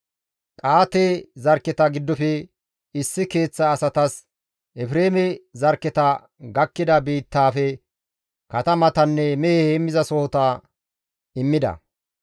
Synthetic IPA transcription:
kʼaːt̪ezɐɾkːɛt̪ɐɡɪd̪ːɔfɛ | ɪsːɪke̞ːt͡sːɐːsɐt̪ɐs | ʔɛfɾe̞ːmɛzɐɾkːɛt̪ɐ | ɡɐkːɪd̪ɐbiːt̪ːaːfɛ | kɐt̪ɐmɐt̪ɐnːɛmɛheheːmːɪzɐsoːt̪aː | ɪmːɪd̪ɐ̰

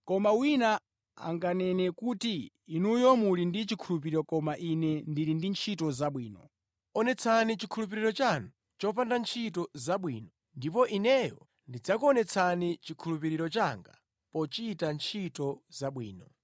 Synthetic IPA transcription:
kɔmawina | a̰ŋɡanɛnɛkuːtiː | nujɔmulindit͡ʃikʰulup̬iɾiɾɔkɔmaʔinɛndiɾindint͡ʃʰitɔzaɓwiːnɔ | ɔnɛt͡sʰanit͡ʃikʰulup̬iɾiɾɔt͡ʃanu | t͡ʃɔpandant͡ʃʰitɔzaɓwḭːnɔ | ndipɔʔinɛjɔ̰ | ndid͡zakuɔnɛt͡sʰanit͡ʃikʰulupiɾiɾɔt͡ʃaŋɡa̰ | pɔt͡ʃitant͡ʃʰitɔzaɓwḭːnɔ̰

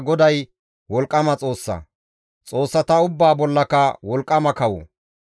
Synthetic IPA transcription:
ɡɔd̪ɐj | wɔlkʼːɐmɐt͡sʼo̞ːsːɐ̰ | t͡sʼo̞ːsːɐt̪ɐʊbːaːbɔlːɐkɐwɔlkʼːɐmɐkɐwɔ̰

